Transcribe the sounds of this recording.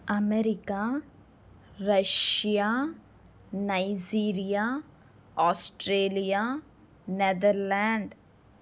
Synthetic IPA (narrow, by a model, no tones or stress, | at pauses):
ɐmeɾɪka | ɾɐʃija | naɪd͡ʒiːɾija | ɔːsʈɾeːlija | ned̪əɾlɛ̃ːɳɖ